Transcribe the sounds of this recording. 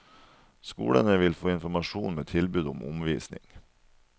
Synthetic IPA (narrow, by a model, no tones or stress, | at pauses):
skṵːlə̰nəʋɪlfoːɪnfɔɾmɑʂuːnmeːt̪ʰɪlbʉːd̪ɔmʔʊ̰mʋḭːsnɪ̰ŋ